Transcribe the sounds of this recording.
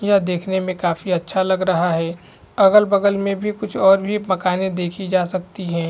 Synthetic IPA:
jad̪eːkʰnemẽkaːfiɐtːʃʰalɐɡɾɐɦaɦɛː | ɐɡəlbɐɡəlmẽbʱikʊt͡ʃʰɔːɾbʱimɐkaːnẽd̪eːkʰid͡ʒaːsɐk̚t̪iɦɛ̃ː

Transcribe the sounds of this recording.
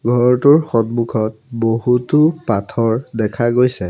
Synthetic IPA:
ɡʱɔɹɔtuɹxɔdmukʰɔtboɦutʊpatʰɔɹdɛkʰaɡojsɛ

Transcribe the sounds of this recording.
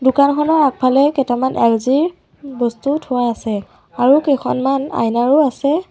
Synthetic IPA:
dʊkankʰɔnɔɹak̚pʰalɛkɛtamanʔɛ̰lziɹ | bɔstutʰʊwaːsɛ | aɹukejkʰɔ̰nmana̰jnaɹʊasɛ

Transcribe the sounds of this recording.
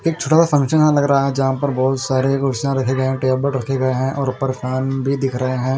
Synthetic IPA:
eːk̚t͡ʃʰoːʈaːsafɐ̃ŋkʃənãlɐɡɾaɦaɦɛ̃d͡ʒɐɦãpɐɾbɔːt̪saːɾeɡʊɾʃjãɾɐkʰeɡɐeɦɛ̃ʈeːbəʈɾɐkʰeɡɐeɦɛ̃ʔɔːɾpɐɾkaːnbʱid̪ɪkʰɾɐɦeɦɛ̃ː

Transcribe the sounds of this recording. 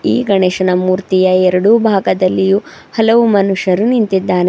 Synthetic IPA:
ḭːɡɐɳɛːʃɐnɐmuːɾt̪ijɐɛɾɐɽubʱaːɡɐd̪ɐlːiju | hɐlɐʋumɐnuʂɐɾunint̪id̪ːaːne

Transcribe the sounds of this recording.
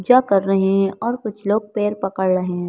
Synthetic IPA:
d͡ʒakɐɾːɐɦeɦɛ̃ʔɔːɾkʊt͡ʃʰloːɡ̚peːɾpɐkəɽɾɐɦeɦɛ̃

